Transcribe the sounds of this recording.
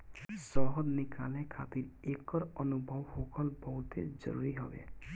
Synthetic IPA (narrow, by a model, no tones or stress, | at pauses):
sɔɦɔd̪nɪkʰalẽkʰat̪iɾekɔɾənubʱəwhokəlbɔɦʊt̪ḛd͡ʒə̰ɾṵɾiɦɔ̰bḛ